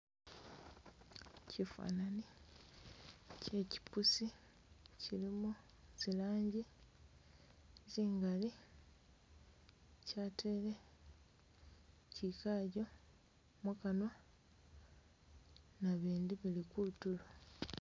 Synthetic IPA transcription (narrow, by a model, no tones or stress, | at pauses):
cʰifa̰ːnani | ce̞ci̥pusi | cilimu | z̥ilaːɲɟi | ziːŋɡali | caːtʰele̞ | cikaɟo̞ | mukano̞ | naβiːndiβilikuutulo